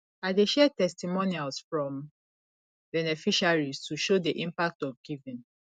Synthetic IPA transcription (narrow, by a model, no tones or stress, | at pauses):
aɪdeʃɛtɛstimonialsfɹɔ̃m | bɛnɛfiʃaɹistʰuʃodeʔĩmpak̚tɔfɡivĩn